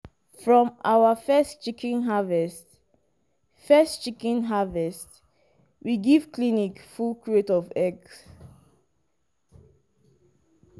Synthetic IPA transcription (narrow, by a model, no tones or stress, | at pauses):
fɹɔ̃mawəfɛstt͡ʃikʰɛ̃nɦavɛst | fɛst͡ʃikɛ̃nɦavɛst | wiɡiv̥klinikfulkʰɹietɔvɛɡs